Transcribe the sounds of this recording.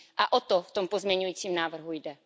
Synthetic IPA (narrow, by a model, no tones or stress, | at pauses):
ʔaʔot̪oft̪ompozmɲɛɲujiːt͡siːmnaːvr̩ɦujdɛ